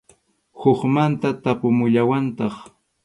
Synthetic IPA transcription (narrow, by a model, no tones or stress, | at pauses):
hoχmant̪at̪apʊmʊʎawant̪ɑχ